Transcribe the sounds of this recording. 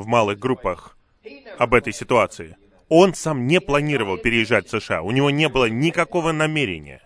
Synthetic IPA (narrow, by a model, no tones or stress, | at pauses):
vmalˠɨɣɡɾupːəx | ɐbɛt̪əjsʲɪt̪ʊat̪sɨɪ | o̞nsamnʲɪplˠɐnʲiɾəvəlˠpʲɪɾʲɪɪʐːatʲfsɨʂɨa̰ʊnʲɪvo̞nʲe̞bɨlˠənʲɪkɐko̞vənɐmʲeɾʲɪ̰nʲɪ̰jə̰